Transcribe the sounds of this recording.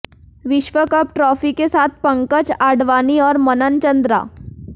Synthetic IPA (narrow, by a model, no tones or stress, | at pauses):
ʋɪʃʋəkəp̚ʈɾɔfikesaːt̪̚ʰpə̃ŋkət͡ʃaɖʋaːniɔːɾmənənt͡ʃənd̪ɾa̰ː